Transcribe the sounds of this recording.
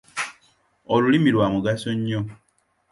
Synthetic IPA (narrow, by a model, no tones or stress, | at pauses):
olulimilwamuɡasoɲːo